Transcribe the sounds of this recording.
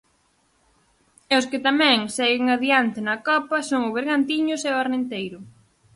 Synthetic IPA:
ɛʊskɪt̪amɛ̃ŋsɛɣɪŋaðiant̪ɪnɐkɔpɐsoŋʊβ̞eɾɣant̪iɲʊsɛʊaɾnent̪ejɾʊ

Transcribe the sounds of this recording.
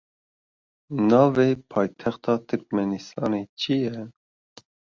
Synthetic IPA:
nɑːveːpʰɑːjt̪ʰɛxt̪ʰɑːt̪ʰɨɾk̚mɛnist̪ɑːneːt͡ʃʰijɛ

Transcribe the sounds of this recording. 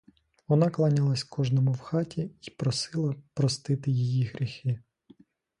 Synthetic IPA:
ʋɔnɑklˠɑnʲɪlˠɐsʲkɔʒnɔmʊwxɑtʲʰiipɾɔsɪlˠɐpɾɔst̪ɪt̪ɪjijiɦɾʲixɪ

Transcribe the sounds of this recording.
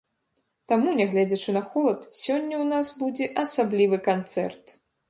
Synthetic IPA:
t̪amunʲɛɣlʲɛd͡zʲɐt͡ʂɨnɐxɔlˠɐt̪sʲɔnʲːɐwnasbud͡zʲɛʔɐsablʲivɨkant̪sɛ̰rt̪

